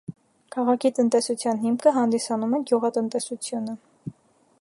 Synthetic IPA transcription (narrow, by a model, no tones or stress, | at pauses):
kʰɑʁɑkʰit̪ənt̪ɛsut͡sʰjɑnɦimkʰəɦɑnd̪isɑnumɛɡjuʁɑt̪ənt̪ɛsut͡sʰjunə